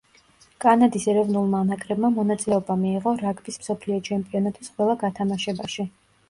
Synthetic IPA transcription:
kʼanad̪isɛɾɛvnulˠmaːnakʼɾɛbmamɔnat̪sʼilɛɔbamiːʁɔɾaɡbismsɔpʰliɔt͡ʃʰɛmpʼiɔnat̪ʼisqʼwɛlˠaɡat̪ʰamaʃɛbaʃi

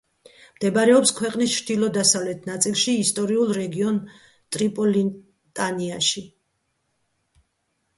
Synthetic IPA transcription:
md̪̥ɛbɾɛɔpskʰwɛqʼnist͡ʃʰɾd̪̥ilˠɔd̪asavlɛt̪ʰnat̪sʼilˠʃiːst̪ʼɔɾiulˠɾɛɡiɔn | t̪ʼɾipʼɔli | t̪ʼaniaʃi

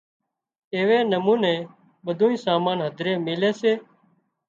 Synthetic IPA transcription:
eːʋeːnəmuːnẽː | ɓəd̪ʱuːĩːsaːmaːnɦəd̪ʱɾeːmɪleːseː

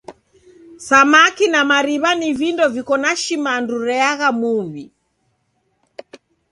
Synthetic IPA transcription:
samakinamaɾiβanivindɔvikɔnaʃimanduɾɛaɣamuβi

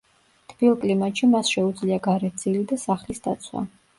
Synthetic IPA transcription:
t̪ʰb̥ilˠkʼlimatʃʰimasʃɛud̪zliaɡaɾɛt̪̚ʰd̪z̥ilid̪asaχlisd̪a̰t̪sʰwa̰

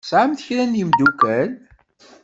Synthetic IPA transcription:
sʕamθəçɾænjimd̪ukæl

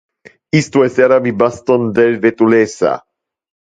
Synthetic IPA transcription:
ist̪uɛsaɾabibast̪ond̪elvet̪ulesa̰

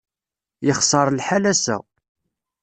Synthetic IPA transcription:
jəχsˤɑɾˤlħalæsæ̰

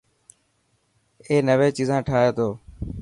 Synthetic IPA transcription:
eːnəʋeːt͡ʃiːzãːʈʰaːeːt̪oː

